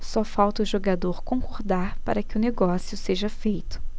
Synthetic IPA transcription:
sɔfawt̪ɐʊʒoɡad̪oɾkõkoɾd̪aɾpaɾɐkɪʊneɡɔsjʊseʒɐfejt̪ʊ̥

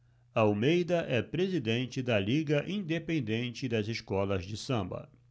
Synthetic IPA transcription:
ɐaawmejd̪ɐʔɛpɾezid̪ẽnt͡ʃɪd̪ɐliɡɐʔĩd̪epẽnd̪ẽnt͡ʃɪd̪ɐzɪskɔlɐzd͡ʒɪsɐ̃bɐ̰

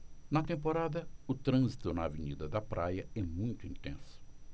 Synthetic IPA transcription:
nɐt̪ẽmpoɾad̪ɐʊt̪ɾɐ̃zit̪ʊnɐaveɲid̪ɐd̪ɐpɾʔajɐɛmũj̃t̪ʊĩnt̪ẽsʊ̥

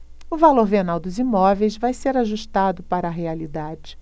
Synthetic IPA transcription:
ʊvaloɾvenawd̪ʊzimɔvejzvajseɾaʒuʃt̪ad̪ʊpaɾɐːɦealid̪ad͡ʒɪ

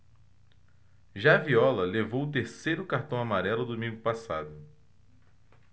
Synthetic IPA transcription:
ʒaviɔlɐlevowʊt̪eɾsejɾʊkaɾt̪ɐ̃w̃amaɾɛlʊd̪umĩŋɡʊpasa̰d̪ʊ

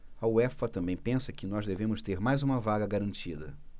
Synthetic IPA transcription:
ɐuɛfɐt̪ɐ̃mbẽj̃pẽsɐkɪnɔzd̪evẽmʊst̪eɾmajzũmɐvaɡɐɡaɾɐ̃nt͡ʃid̪ɐ

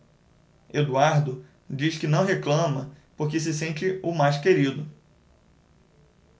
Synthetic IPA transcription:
ed̪uaɾd̪ʊ | d͡ʒiskɪnɐ̃w̃ɦeklɐ̃mɐpoɾkɪs̬ɪsẽnt͡ʃɪʊmajskeɾid̪ʊ

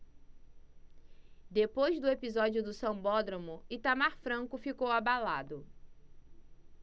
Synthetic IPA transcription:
d̪epojzd̪ʊepizɔd͡ʒiʊd̪ʊsɐ̃w̃bɔd̪ɾõmʊɪt̪amaɾfɾɐ̃ŋkʊfikowabalad̪ʊ

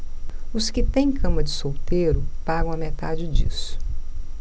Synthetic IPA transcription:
ʊskɪt̪ẽj̃kʰɐ̃mɐd͡ʒɪsowt̪eɾʊpaɡɐ̃w̃ɐmet̪ad͡ʒɪd͡ʒḭsʊ̥

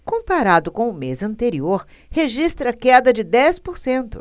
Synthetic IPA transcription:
kõpaɾad̪ʊkõw̃ʊmezɐ̃nt̪eɾioɾ | heʒist̪ɾɐkɛd̪ɐd͡ʒɪd̪ɛspoɾsẽnt̪ʊ̰

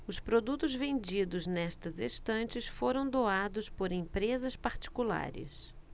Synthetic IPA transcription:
ʊspɾod̪ut̪ʊzvẽnd͡ʒid̪ʊznɛst̪ɐzest̪ɐ̃nt͡ʃɪsfoɾɐ̃w̃d̪oad̪ʊspoɾẽpɾezɐspaɾt͡ʃi̥kula̰ɾɪ̰s

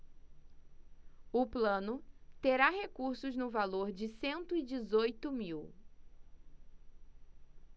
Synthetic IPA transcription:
ʊplɐ̃nʊt̪eɾaɦekuɾsʊznʊvaloɾd͡ʒɪsẽnt̪ʊɪd͡ʒɪzojt̪ʊmiw

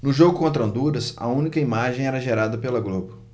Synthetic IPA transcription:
nʊʒoɡʊkõnt̪ɾɐ̃nd̪uɾɐsɐ̰ũnikɐimaʒẽj̃ɛɾɐʒeɾad̪ɐpelɐɡlopɐ̥

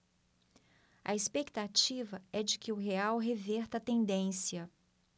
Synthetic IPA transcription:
ɐ̰espekt̪at͡ʃivɐɛd͡ʒɪkɪʊɦeawɦevɛɾt̪ɐt̪ẽnd̪ẽsiɐ

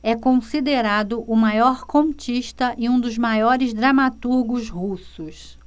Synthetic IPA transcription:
ɛkõsid̪eɾad̪ʊʔʊmajɔɾkõmt͡ʃiʃt̪ɐʔɪũd̪ʊzmajɔɾɪzd̪ɾamat̪uɾɡʊzhusʊs

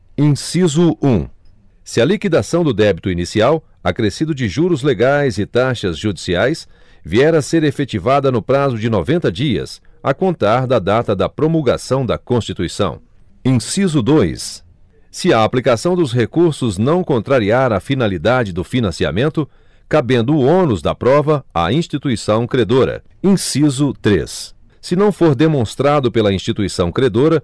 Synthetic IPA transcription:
ĩsizʊũ | sɪɐlikid̪asɐ̃w̃d̪ʊd̪ɛbit̪ʊinisiaw | akɾesid̪ʊd͡ʒɪʒuɾʊzleɡajzɪt̪aʃɐzʒud͡ʒisiajsviɛɾɐseɾefet͡ʃivad̪ɐnʊpɾazʊd͡ʒɪnovẽnt̪ɐd͡ʒiɐ̰sɐkõnt̪aɾd̪ɐd̪at̪ɐd̪ɐpɾomulɡa̰sɐ̃w̃d̪ɐkõst͡ʃit̪uisɐ̰̃w̃ | ĩsizʊd̪ojsː | ɪɐːplikasɐ̃w̃d̪ʊsɦekuɾsʊznɐ̃w̃kõnt̪ɾaɾiaɾɐfinalid̪ad͡ʒɪd̪ʊfinɐ̃sia̰mẽnt̪ʊ | kabẽnd̪ʊõnʊzd̪ɐ̰pɾɔvɐa̰ĩst͡ʃit̪uisɐ̃w̃kɾed̪oɾɐ̰ | ĩsizʊt̪ɾḛsː | ɪnɐ̃w̃foɾd̪emõst̪ɾad̪ʊpelɐĩst͡ʃit̪uisɐ̃w̃kɾed̪oɾɐ

